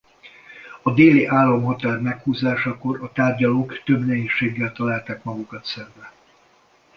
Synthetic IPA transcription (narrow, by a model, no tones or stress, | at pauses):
ɒd̪eːliʔaːlːɒmɦɒt̪aːrmɛkhuːzaːʃɒko̞ɾɒt̪aːrɟɒloːkt̪ø̞bnɛɦeːʃːeːɡːɛlt̪ɒlaːlt̪aːkmɒɡukɒt̪sɛɱbɛ